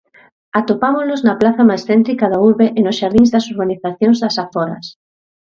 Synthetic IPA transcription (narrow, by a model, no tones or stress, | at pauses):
at̪opamoznoznɐaplaθɐmajsθɛnt̪ɾikaðauɾβeʔenʊsʃaɾðiŋzðɐsoɾβaniθaθjõŋzðɐsafɔɾɐ̰s